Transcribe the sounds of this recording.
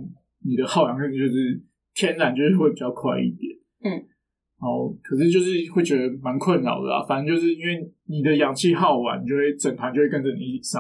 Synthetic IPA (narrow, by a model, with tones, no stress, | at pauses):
ni˨˩d̪ə˦xɑ˥˩ʊjɑ˧˦ŋkə˥˩t͡ɕjo˥˧ʊʂɻ̩˥˩ | t̪ʰjɛ˥nɻa˨˩nt͡ɕjo˥˧ʊʂ̩˥˧we˥˩pi˨˩t͡ɕɑ˥˧ʊkʰwa˥˧ɪḭ˥˩t̪jɛ̰˨˩˦n̩˥˩ | ɻa˧˦xɔ˥˩kʰə˨˩ʂɻ̩˥˧t͡ɕjo˥˧ʊʂɻ̩˥˧xwe˥˩ɪt͡ɕɥɛ˧˦d̪ə˧ma˧˦nkʰwə˥˨nlɑ̰˨˩˦ʊd̪ə̰˨a̰˨˩fa˨nə˧nt͡ɕjo˥˧ʊʂ̬̩˥˩i˥nwe˥˩ɪni˨˩d̪ə˩˦jɑ˨˥ŋt͡ɕʰi˥˧xɑ˥˩ʊwa̰˧˦ni˨˩t͡ɕjo˥˧xwe˥˩ɪt͡sə˨˩ŋp̪ʰa˨˦nt͡ɕjo˥˧we˥˩kə˥nʈ͡ʂə˧˩ni˨˦˥sɑ˥˦